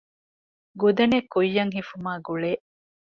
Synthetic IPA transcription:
ɡud̪ɐnekujːɐŋɦifumaːɡuɭeː

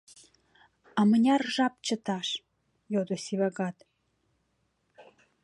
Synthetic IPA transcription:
ɑmə̆nʲɑrʒɑp̚t͡ɕə̆t̪ɑʃ | jod̪ŏsiβɑɡɑt̪

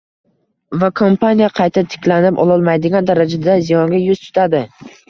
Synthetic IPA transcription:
vakʰompʰanijaqʰɑjt̪ʰat̪ʰɪ̥kʲlanɪpɒ̰lˠɒlˠmajd̪ɪɡʲand̪aɾad͡ʒad̪azijɒŋɡʲajʊz̥t̪ʰʊ̥t̪ʰad̪ɪ

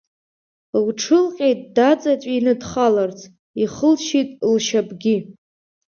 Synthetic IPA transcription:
wʈ͡ʂʰɨlqʲʼejtʼdat͡sʼat͡ʃʷʼinɨdχalart͡sʰʼ | iχəlʃitʼlʃabɡʲi

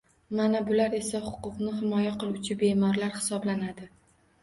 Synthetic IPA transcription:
manabʊlaɾe̞sahʊqʊqnɪɦɪmɒjaqʰɨlˠʊt͡ʃʰɪbe̞mɒɾlaɾhɪ̥sɒblanad̪ɪ

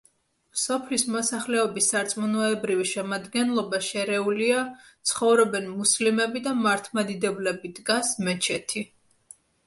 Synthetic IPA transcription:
msɔpʰlismɔsaχlɛɔbisːaɾt̪sʼmɔnɔɛbɾiviʃɛmad̪ɡɛnlˠɔbaʃɛɾɛuliat̪sʰχɔvɾɔbɛnmuslimɛbid̪amaɾt̪ʰmad̪id̪ɛblɛbid̪ɡasmɛt͡ʃʰɛt̪ʰi

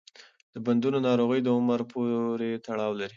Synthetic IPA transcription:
d̪̥əband̪unonɑɾoɣəjd̪əʊməɾpʰoɾet̪aɽɑwlaɾi

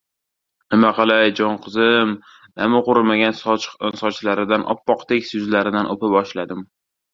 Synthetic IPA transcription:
nɪmaqʰɑlˠajd͡ʒɒnqʰɨzɪm | namʊqʊɾɪmaɡʲansɒt͡ʃsɒt͡ʃlaɾɪd̪anʔɒ̰pːɒqt̪ʰekʲsʊzlaɾɪd̪anʔopabɒʃlad̪ɪm

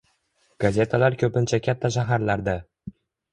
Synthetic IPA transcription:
ɡ̥azʲe̞t̪ʰalaɾkʲʰɵpɪnt͡ʃʰakʲʰat̪ʰːaʃ̬aɦaɾlaɾd̪a

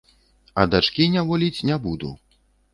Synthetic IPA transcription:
ɐ̰d̪at͡ʂkʲinʲavɔlʲit͡sʲnʲɛbud̪ṵ

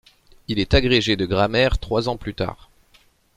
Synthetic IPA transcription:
ilɛt̪aɡʁeʒed̪əɡʁamɛʁt̪χwazɑ̃plyt̪a̰ːʁ

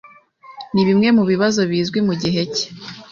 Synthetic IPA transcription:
niβimŋe̞muβiβazo̞βiːzɡwimuɟiɦe̞ce̥

